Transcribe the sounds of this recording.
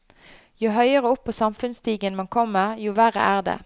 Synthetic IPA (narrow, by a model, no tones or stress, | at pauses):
jʊɦœʏəʁəʊpʰːoːsɑmfʉnst̪iːɡənmɑnkʰɔmːəʁjʊʋæʁə̰ʔæːʁd̪ḛː